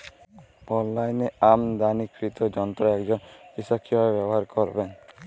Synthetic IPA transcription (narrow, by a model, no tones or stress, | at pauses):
pɔlːajneamd̪anikɾit̪ɔd͡ʒɔnt̪ɾɔɛkd͡ʒɔnkisɔkʰːibaebjɔbɔɦaɾkɔɾben